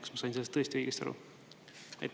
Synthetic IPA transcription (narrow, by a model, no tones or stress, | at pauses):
ksmɑsɑjnselːst̪ɤ̞est̪iɾiːɡist̪ɑ̰ɾṵ | ɑ̰jt̪ː